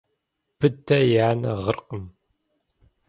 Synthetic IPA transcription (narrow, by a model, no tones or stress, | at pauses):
b̥ɨdɐjaːnɐ̰ʁərqəm